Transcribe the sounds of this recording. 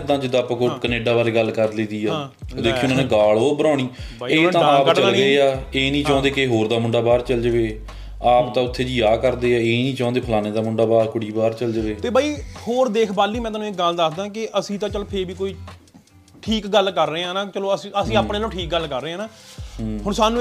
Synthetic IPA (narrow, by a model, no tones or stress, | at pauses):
d̪ãːd͡ʒɪd̪ːaːpãːkokəneːɖaːbaːɾeːɡəlkəɾleːd̪iːaːd̪eːkʰĩʊnãːneːɡaːɭoːbəɾãːɽ̃iː | eːt̪ãːaːpt͡ʃəɡəeːaːeːnĩːt͡ʃãːnd̪eːkeɦoːɾd̪aːmʊɳɖaːbaːɾt͡ʃəld͡ʒəʋeː | aːpt̪ãːʊt̪ʰːeːd͡ʒijaːkəɾd̪eːaːeːnĩːt͡ʃãːnd̪eːpʰəlaːneːd̪aːmʊɳɖaːbaːɾkʊɽiːbaːɾt͡ʃəld͡ʒʋeːt̪eːbaːiːhoːɾd̪eːkʰbaːlːiːmɛ̃ːt̪aːnũːɪk̚ɡəld̪əkʰd̪ãːkɪʔəsĩːt̪ãːt͡ʃəloːpʰeɾʋiːkoːiː | ʈʰiːkɡəlkəɾːəeːãːnãːt͡ʃəloːəsiːəsĩːaːpnẽːlõːʈʰiːk̚ɡəlkəɾːeːãːnaː | ɦʊɳsaːnũː